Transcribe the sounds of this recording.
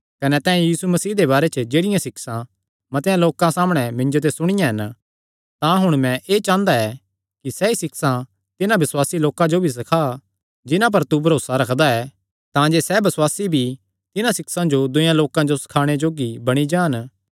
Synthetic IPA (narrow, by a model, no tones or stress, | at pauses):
kɐnɛt̪ɛ̃ːɛ̃jiːsumɐsiːd̪ebaːɾɛt͡ʃəd͡ʒeːɽɪjãsɪksã | mɐt̪ejãloːkãsaːməɽ̃ɛmɪ̃nd͡ʒot̪̬esʊɽ̃ɪjãɦɐn | t̪ãɦʊɽ̃mɛ̃ʔeːt͡ʃãːnd̪aɛ | kisɛisɪksã | t̪ɪnãbɪswaːsiloːkãd͡ʒobʱis̬ɐkʰa | d͡ʒɪnãp̬ɐɾt̪ubʱɐɾoːsaɾɐkʰd̪aɛ | t̪ãd͡ʒeːsɛbɐswaːsibʱi | t̪ɪnãsɪksãd͡ʒod̪ʊjãloːkãd͡ʒosɐ̥kʰaːɽ̃ed͡ʒoːɡibɐɽ̃id͡ʒãːn